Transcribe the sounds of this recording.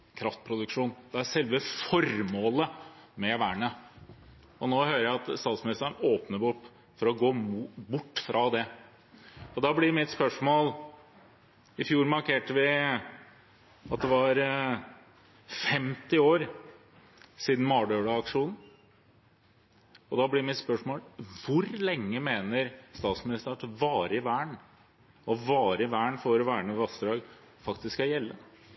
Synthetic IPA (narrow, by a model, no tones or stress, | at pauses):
kʰɾɑft̪̚pʰɾʊd̪ʉkʂuːnd̪̥ɛæɾʂɛlʋəfɔɾmoːləmɛʋæːɳə | ɔnoːhøːɾəjæɪɑt̪st̪ɑːt̪smɪnɪst̪əɳoːpnəbʊʈ | fɔɾɔɡoːbʊʈːfɾʔɑd̪ɛ | ɔd̪ɑːblɪɾmɪt̪spœʂmoːl | ɪfjuːɾmɑɾkʰeːʈəʋɪ | ɑt̪̚d̪ɛʋɑɾ | fɛmt̪ɪoːɾ | siːd̪n̩mɑːɖøːɽɑɑkʂuːnn̩ | ɔd̪ɑblɪɾmɪt̪spœʂmoːlʋʊɾlɛŋːəmeːnəɾst̪ɑːt̪smɪnɪst̪əɾɑt̪ʋɑːɾəɪʋæːɳ | ɔʋɑːɾəɪʋæːɳfɔɾɔʋæːɳəʋɑsd̪ɾɑːɡ | fɑkt̪ɪsskɑjɛlːə